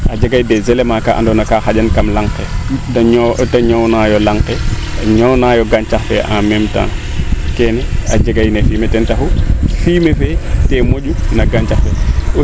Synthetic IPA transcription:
ʔad͡ʒaɡajdɛzelemakaʔa̰ndɔnakaxaɟankamlaŋketataɲownajɔlaŋke | ɲonajɔɡant͡ʃaxfɛ̰ʔa̰memta̰n | kenɛad͡ʒaɡajnefiːmetɛntahufiːmefetemoɟunaɡant͡ʃaxfɛ

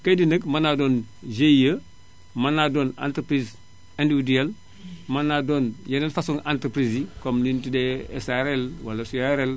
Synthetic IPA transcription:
kajdinəkmanadon | d͡ʒeijə | manadoːna̰ntɾpɾiz | ẽndiwidiel | manadonjenenfasuŋantɾpɾizikomlintideesaɾelwalasuaɾel

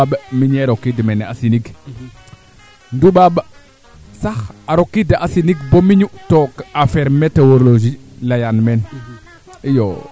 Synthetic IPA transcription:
aɓəmiɲeɾokːidmɛneasiniɡ | nduɓaɓə | saxaɾokːidaʔasiniɡbomiɲutokafeɾmetewoɾloʒilajanmɛn | ijo̰

